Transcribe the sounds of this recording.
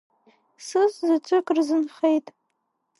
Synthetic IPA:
sɨzzat͡ʃʷʰʼɨkʼrzɨnχejtʼ

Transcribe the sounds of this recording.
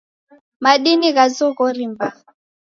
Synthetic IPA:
maɗiniɣazɔɣɔɾimba

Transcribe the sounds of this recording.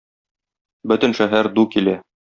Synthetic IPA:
bɵ̆t̪ɘ̆nʃæɦæɾd̪ukilæ

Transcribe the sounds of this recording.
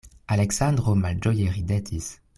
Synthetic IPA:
alɛksɑ̃d̪ʁomald͡ʒɔjeʁid̪ɛt̪ʰis

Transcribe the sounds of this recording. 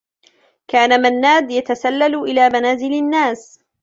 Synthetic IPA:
kaːnamanːaːd̪jat̪asalːalʔɪlaːmanaːzɪlanːaːs

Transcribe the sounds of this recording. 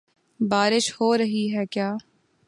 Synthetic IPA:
baːɾɪʃhoːɾɐɦiɦɛkjaː

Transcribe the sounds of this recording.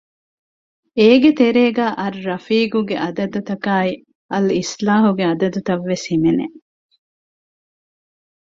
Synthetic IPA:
eːɡet̪eɾeːɡæːʔɐɾːɐfiːɡuɡeʔɐd̪ɐd̪ut̪ɐkaːi | ɐlislaːɦuɡeɐd̪ɐd̪ut̪ɐʋːeshimenḛ

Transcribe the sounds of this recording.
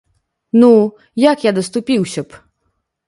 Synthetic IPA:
nu | jakjad̪ɐst̪upʲiwsʲɐp

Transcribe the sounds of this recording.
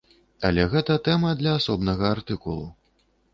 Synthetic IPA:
ɐ̰lʲɛɣɛt̪ɐt̪ɛmɐd̪lʲɐːsɔbnɐɣɐart̪ɨkulˠu

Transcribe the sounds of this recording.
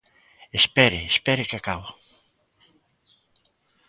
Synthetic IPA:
espɛɾɪespɛɾɪkakawa

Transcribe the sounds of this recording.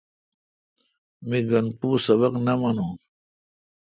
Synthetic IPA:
miɡɐnpuːsɐβaqnɐmɐnũ

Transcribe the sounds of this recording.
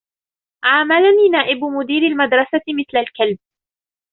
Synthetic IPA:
ʔaʕmalaniːnaːʔɪbmʊd̪iːɾalmad̪ɾˤɑsamɪθlalkalb̚

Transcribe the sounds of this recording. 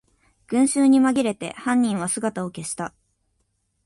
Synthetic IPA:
ɡ̥ɯ̟̃ɰ̃ɕɨːɲ̟imaɡʲiɾe̞t̪e̞̰hãɲ̟ːĩɰ̃βasɨɡat̪ao̞ke̞ɕi̥t̪a

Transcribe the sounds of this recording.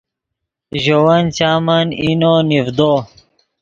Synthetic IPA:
ʑowɐnt͡ɕaːmɐninonivd̪o

